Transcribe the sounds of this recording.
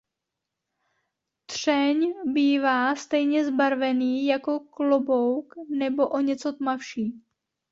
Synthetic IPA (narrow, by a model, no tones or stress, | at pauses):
t̪r̝̥ɛɲbiːvaːst̪ɛjɲɛzbaɾvɛniːjako̞klobowknɛbo̞ʔoɲɛt͡so̞t̪mafʃiː